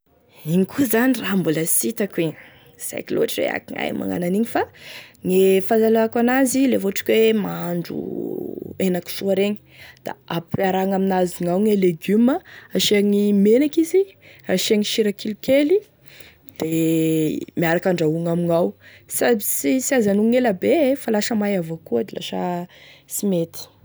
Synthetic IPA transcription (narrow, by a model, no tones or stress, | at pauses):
iɲikʰuzanirambuləsit̪akwi | z̥a̰jkilo̰aʈ͡ʂɾḛa̰kiŋa̰jmʔa̰ŋa̰naniɲifaŋefazalaakanazilevoaʈ͡ʂḁkwemaaɳɖ͡ʐṵ | enaku̥suaɾeɲi̥ | d̪̥a̰apaɾaŋaminaziŋawŋeleɡyməaʃeaŋimenakizi | raʃaŋiʃiɾakilukeli | d̪̥e | miaɾakaɳɖ͡ʐauŋamiŋawsabisisiazanuŋelabefalaʃəmajavokuad̪ila̰ʃəsimet̪i̥